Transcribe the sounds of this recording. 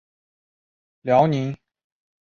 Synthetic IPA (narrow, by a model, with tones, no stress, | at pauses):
ljɑ˧˥ʊni˧˥ŋ